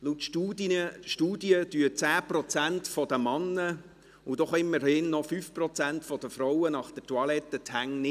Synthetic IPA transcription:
lutuʃtuːdjəd̥yət͡sæːprɔt͡sæntfɔd̪əmɑnːə | ʊd̥̪ɔχɪmːərhɪnːɔfyːfprɔt͡sæntfɔd̥əfrɔwənɑχd̥ətuɑlɛt̪ːətʰhæŋnɪ

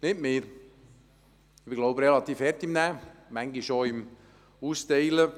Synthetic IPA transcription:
nɪtmeːɾ | ɪbɪɡloʊbɾɛlɑt̪iːfhɛɾt̪ɪmnæːmæŋɡɪʃoɪm | uːsteɪlə

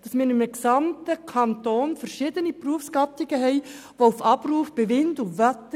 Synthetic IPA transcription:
d̥ɑsmɪːɾɪməksɑmtəkʰɑntoːnfəɾʃɪdənipruəfsɡɑtɪɡəɦɛɪʋoufɑbruːfb̥eʋɪndʊʋœtə

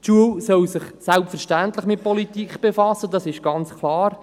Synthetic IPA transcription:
tʃuəlsœlsɪχsɛlpfəɾʃtæntlɪχmɪt̚pɔlitikχb̥efɑsːədɑsɪʃɡ̥ɑnt͡skʰlˠɑːɾ

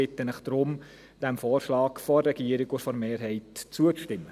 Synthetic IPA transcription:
ɪtːənɪχd̥̪ɾʊm | d̥ɛmfɔːrʃlɑːkfɔrːɛɡ̥iəɾɪɡufɔɾmeːɾɦɛɪtt͡suət͡sʃtɪmːə

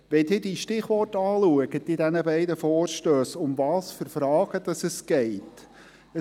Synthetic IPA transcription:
ʋɛdiːdiʃtɪχʋɔrtɑːluəɡətidænəbɛɪdəfɔːɾʃtøːsʊmvɑːsfʏɾfɾɑːɡ̥əd̥̪ɑsəsɡ̥ɛɪt | ə

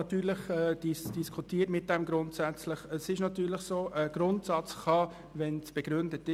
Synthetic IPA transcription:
ɑt̪ːyːɾləχɛːd̥isd̥iskʰutiːətmɪt̚d̥ɛmɡɾʊntsæt͡sləχəsɪʃnɑtyːɾləχsoːʔəɡ̥ɾʊntsɑt͡sχɑ | ʋɛnsb̥ɛɡ̥ɾʏndətɪ

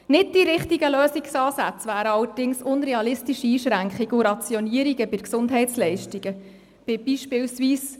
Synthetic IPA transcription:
nɪd̚d̥iɾɪχtiɡəløːsiksɑːsæt͡sʋæːɾəɑwəd̥ɪŋsʊnɾɛɑlɪstiʃiːʃɾæŋkχiɡʊɾɑt͡sjɔniəɾiɡəbɪɾksʊndɦɛɪtt͡slɛɪʃtiɡ̥ə | b̥ɪb̥iːʃpɪwsʋiːs

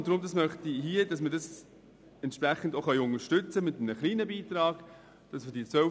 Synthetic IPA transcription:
ʊnd̥ɾʊmdɑsmœχtiɦiədɑsməɾdɑs | ɛnt̪ʃpɾæχən̩doχœʏʊŋəʃtɵt͡səmɪtəmnəχliːnəbiːt̪ɾɑːɡ̥ | d̥ɑsmədit͡sʋœ

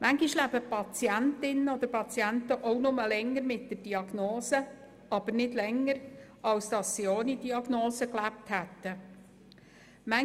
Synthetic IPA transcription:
mæŋɡiʃlæbəpʰɑt͡siæntɪnːəod̪əɾpʰɑt͡siænt̪əʔownʊməlɛŋːəɾmɪt̚d̥əd̥iɑɡ̥noːsə | ɑb̥əɾnɪdlɛŋːəɾ | ɑwsd̥̪ɑsːioːnid̥iɑɡnoːsəklæp̚thæt̪ːə | mæ

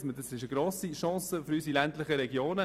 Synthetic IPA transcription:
smədɑsɪʃəɡɾoːsiʃɑ̃ːsəfyɾysilɛntlɪχəɾɛɡjoːnə

